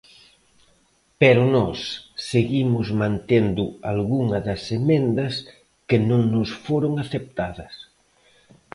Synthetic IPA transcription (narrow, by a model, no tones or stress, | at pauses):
pɛɾʊnɔsːeɣimʊzmãnt̪end̪ʊalɣuŋɐðɐsemẽnd̪ɐs | kenõŋnʊsfoɾoŋaθep̚t̪aðɐs